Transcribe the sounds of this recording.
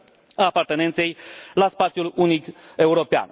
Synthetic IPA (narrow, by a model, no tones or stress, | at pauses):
aːpart̪ene̞nt̪se̞jlaspat̪sjulunike̞uɾo̞pea̰n